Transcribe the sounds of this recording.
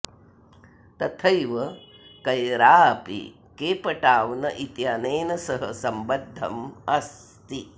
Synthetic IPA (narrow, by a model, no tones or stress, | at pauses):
t̪ɐt̪ʰɐjʋɐ | kɐjɾaːpḭ | keːpɐʈaːʋnɐʔit̪jaːneːnɐsɐɦɐsɐmbɐd̪ʱːɐmɐs | t̪i